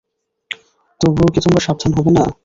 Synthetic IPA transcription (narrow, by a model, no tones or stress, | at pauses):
t̪obokit̪ombaʃab̚d̪ʱanɦɔbena̰